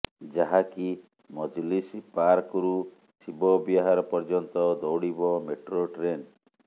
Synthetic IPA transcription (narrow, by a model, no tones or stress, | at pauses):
d͡ʒaɦaki | mɔd͡ʒlispaɾkɔɾu | sibɔbjɔɦaɾɔpɔɾd͡ʒɔnt̪ɔd̪ɔwɽibɔmeʈɾoʈɾen